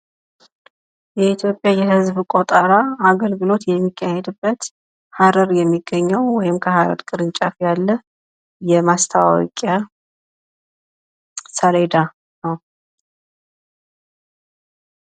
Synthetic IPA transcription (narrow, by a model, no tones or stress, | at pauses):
jɛit̪ʰjo̞pʼjajɛɦɨzbkʷʼot̪ʼəɾaaɡəlɡɨlo̞t̪jɛmːikʰːahɛd̪ɨbːət̪ | haɾəɾjɛmːiɡːəɲːɛwwɔjɪmkʰəɦaɾə̰ɾkʼɨɾɨɲt͡ʃʼafjalːə | jɛmast̪ʰawa̰ɔ̰kʼa | səɾed̪a | nəw